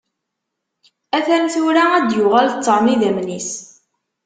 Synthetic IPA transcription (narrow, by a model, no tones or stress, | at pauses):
æθænθʊɾææd̪jʊʁælθt͡s̪ːəɾˤmiðæmnis